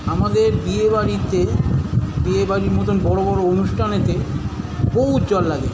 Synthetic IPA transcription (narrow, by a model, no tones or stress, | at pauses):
amad̪eɾd̪iebaɾit̪e | d̪iebaɾiɾmɔt̪onbɔɽobɔɾoonuʃʈʰanet̪e | boɦut̪̚d͡ʑɔlːaɡe